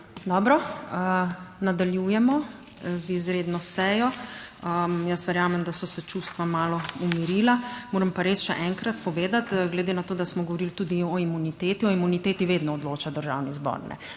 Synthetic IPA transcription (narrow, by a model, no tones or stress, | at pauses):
d̪ɔːbɾɔənad̪aljujɛmɔ | zizɾeːd̪nɔsɛjɔəjəsʋɛɾjaːmɛmd̪asɔsɛt͡ʃust̪ʋamaːlɔumiɾilamoːɾəmpaɾesʃɛ̰ʔɛŋkɾat̪pɔʋeːd̪at̪ɡlɛd̪enat̪oːd̪asmɔɡɔʋɔɾilt̪uːd̪iɔimunit̪eːt̪iɔimunit̪eːt̪iʋeːd̪nɔɔd̪loːt͡ʃad̪əɾʒa̰wnizbɔ̰ɾnɛ̰